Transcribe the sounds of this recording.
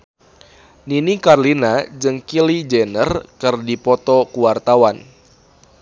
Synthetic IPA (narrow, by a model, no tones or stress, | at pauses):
ninikarlinad͡ʒɨŋkilid͡ʒɛnərkɨrdipɔt̪ɔkuwart̪awan